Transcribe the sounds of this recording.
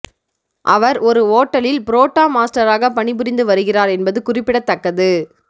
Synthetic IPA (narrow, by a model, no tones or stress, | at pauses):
ʔɐʋɐɾɔɾɯoːʈːɐɭɪlpɪɾoːʈːaːmaːsʈɐɾaːɣɐpɐɳɪpʊɾɪnd̪ɯʋɐɾɯɣɪraːɾɛnbɐðɯkʊrɪpːɪɽɐt̪ːɐkːɐðɯ